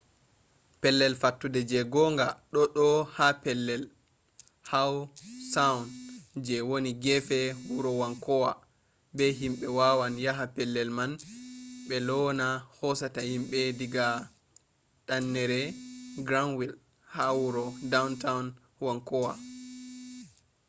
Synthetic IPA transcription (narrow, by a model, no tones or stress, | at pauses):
pɛlːɛlfatːudɛd͡ʒɛɡɔŋɡaɗɔɗɔhapɛlːɛl | hawsawnd͡ʒɛwoniɡɛfɛwuɾɔwaŋkɔwa | bɛɦimɓɛwawanjaɦapɛlːɛlman | ɓɛlɔnahɔsatahimɓɛdiɡa | ɗanːɛɾɛɡɾanwil | hawuɾɔdawntawn | waŋkɔwa